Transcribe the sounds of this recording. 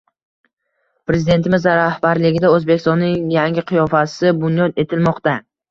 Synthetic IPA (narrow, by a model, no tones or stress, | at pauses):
pɾe̞zɪd̪e̞nt̪ʰɪmɪzaɾahbaɾlɪɡʲɪd̪aɵzbekʲɪst̪ɒnːɪŋjaŋɡʲɪqʰɨjɒfasɪbʊnjɒt̪e̞t̪ʰɪlmɒqt̪a